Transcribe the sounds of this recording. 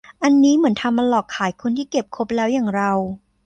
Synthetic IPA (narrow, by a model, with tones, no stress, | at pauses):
ʔa˧nːiː˦˥mɯ˩˦ənt̪ʰa˧mːa˧lɔː˨˩kʰːaː˩˦jkʰo˧nt̪ʰiː˥˩ke˨˩p̚kʰo˦˥p̚lɛː˦˥wjaː˨˩ŋɾa˧w